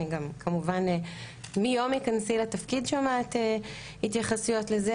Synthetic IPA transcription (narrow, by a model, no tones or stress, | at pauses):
iɡamkʰamuvan | mijo̞mikansilat̪afkidʃomat̪e | hit̪jaχasujo̞tleze